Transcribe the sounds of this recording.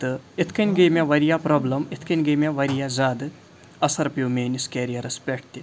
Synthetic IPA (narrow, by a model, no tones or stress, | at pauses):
t̪ɨit̪ʰkɐnʲɡejmʲaʋɐɾijapɾoːblɐmit̪ʰkɐnʲɡemʲaʋɐɾijazaːd̪ɨ | ɐsɐɾpjuːmeːnʲiskʲeɾijɐɾɐspʲeʈʰt̪i